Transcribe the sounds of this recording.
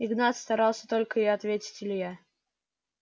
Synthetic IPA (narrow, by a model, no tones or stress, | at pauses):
ɪɡnat̪st̪ɐɾɑlˠsʲə̥t̪o̞lʲkəɪɐt̪vʲetʲɪ̥tʲɪlʲɪja